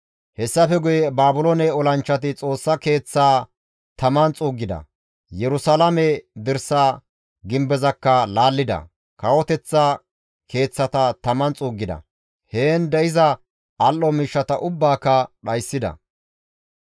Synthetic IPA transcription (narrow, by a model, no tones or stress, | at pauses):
hɛsːɐfɛɡʊjɛbaːbʊlonɛɔlɐnt͡ʃːɐt̪ɪt͡sʼo̞ːsːɐke̞ːt͡sːaː | t̪ɐmɐnt͡sʼuːɡːɪd̪ɐ̰ | jɛɾʊsalɐmɛd̪ɪɾsaː | ɡɪmbɛzɐkːɐlaːlːɪd̪ɐ̰ | kɐwɔt̪ɛt͡sːɐ | kʰe̞ːt͡sːɐt̪ɐt̪ɐmɐnt͡sʼuːɡːɪd̪ɐ̰ | heːnd̪ɛɪzɐ | ɐlʔːɔmiːʃːɐt̪ɐʔʊbːaːkːɐɗɐjsːɪd̪ɐ̰